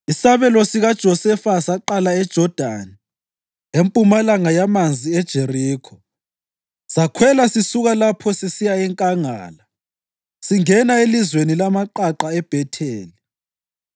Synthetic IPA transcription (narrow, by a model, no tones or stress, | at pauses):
isaβɛlɔsiɣad̥ʒ̥ʱɔsɛfasaǃalaɛd̥ʒ̥ʱɔd̥ʱani | empʼumalaŋajamand͡zʱiɛd̥ʒ̥ʱeriːkʰɔ | sakʰwɛlasisuɣalapʰɔsesijaɛŋkʼaŋa̰ːla | siŋɛnaelizwenilamaǃaǃaɛb̥ʱɛtʰeːli